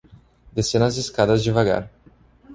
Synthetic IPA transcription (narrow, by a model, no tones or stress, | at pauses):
d̪esenɐzɪskad̪ɐzd͡ʒɪvaɡa̰ɾ